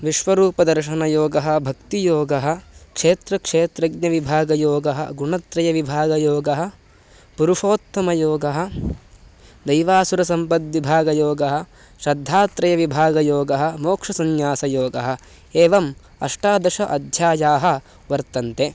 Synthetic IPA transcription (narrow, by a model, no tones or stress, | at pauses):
ʋiʃʋɐɾuːpɐd̪ɐɾʃɐnɐjoːɡɐɦɐ̆bʱɐkt̪ijoːɡɐɦɐ̆kʂeːt̪ɾɐkʂeːt̪ɾɐɡnɐʋibʱaːɡɐjoːɡɐɦɐ̰ɡuɳɐt̪ɾɐjɐʋibʱaːɡɐjoːɡɐɦɐ̆ | puɾuʂoːt̪ːɐmɐjoːɡɐɦɐ̆ | d̪ɐjʋaːsuɾɐsɐmpɐd̪ʋibʱaːɡɐjoːɡɐɦɐ̆ | ʃɾɐd̪ʱːaːt̪ɾɐjɐʋibʱaːɡɐjoːɡɐɦɐ̆moːkʂɐsɐɲjaːsɐjoːɡɐɦɐ̆ | eːʋɐm | ɐ̰ʂʈaːd̪ɐʃɐʔɐd̪ʱjaːjaːɦɐ̆ | ʋɐɾt̪ɐnt̪e